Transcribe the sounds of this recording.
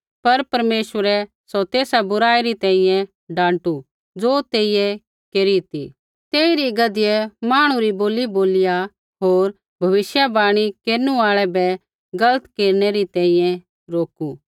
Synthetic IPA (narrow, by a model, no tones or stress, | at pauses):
pɐɾpɐɾmeːʃʋəɾɛ | sɔt̪eːsabʊɾaːiɾit̪ɛ̃ːĩjɛ̃ | ɖãːɳʈu | d͡zoːt̪eːɪjɛ | keːɾit̪ḭ | t̪eːiɾiɡɐd̪ɪjɛmaːɽ̃ũɾiboːliboːlɪja | ɦoːɾ | bʱɐʋɪʃjabaːɽ̃ikeːɾnũaːɭɛbɛ | ɡɐlət̪keːɾnɛɾit̪ɛ̃ːĩjɛ̃ | ɾoːku